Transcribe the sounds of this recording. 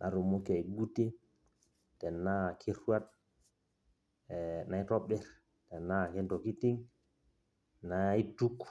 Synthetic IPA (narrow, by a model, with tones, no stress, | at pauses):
nʔa˨ɾu˨mo˦ke˨i˨ɡu˦ti˦ | tɛ˨nːakʰi˦ɾa˦t̚ | na˨jtɔ˦ɓɛɾ | tɛ˨nːakɛ˦nto˨ki˦ti˦ŋ | naitu˦k